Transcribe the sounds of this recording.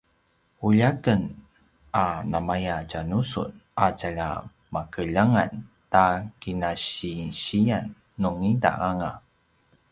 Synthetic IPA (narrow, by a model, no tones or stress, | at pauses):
uʎakən | anamajacanusṵnacaʎa̰ | makəʎaŋantakinaɕiɕianː | uŋida̰ʔaŋa